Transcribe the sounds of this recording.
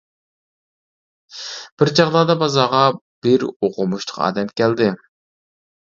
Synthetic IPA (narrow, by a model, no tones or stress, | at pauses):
b̥ɪɾd͡ʒɑʁlˠɑːd̪ɑbɑzɑʁɑb̥ɪɾoqʊmuʃt̪ʰʊ̥qʰɑ̰ːd̪ɛmkʲʰɛld̪ɪ